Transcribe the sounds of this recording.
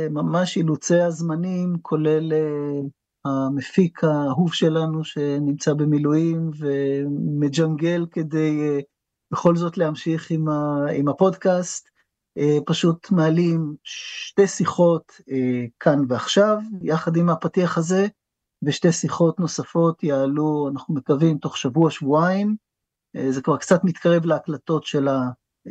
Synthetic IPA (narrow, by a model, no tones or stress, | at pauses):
mamaʃilut͡seazmanimkʰo̞le̞le | hamefikʰaɦuvʃe̞lanuʃe̞nimt͡sabe̞milujimve̞med͡ʒaŋɡe̞lke̞d̪e̞j | b̥eχo̞lzo̞tlehamʃiχimaimhapo̞dkast̪ | epaʃutmealimʃtesiχo̞t | ekʰanveaχʃavjaχad̪imapatiaχaze̞ | veʃtesiχo̞tno̞safo̞tjaːluanaχnume̞kavimto̞χʃavuaʃvuaim | zekvaʁkt͡satmit̪kaʁe̞vleaklato̞tʃe̞la